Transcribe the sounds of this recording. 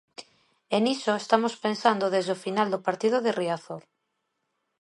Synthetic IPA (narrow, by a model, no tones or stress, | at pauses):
enisoest̪amospensand̪oðezðofinald̪opaɾt̪ið̞oðeriaθoɾ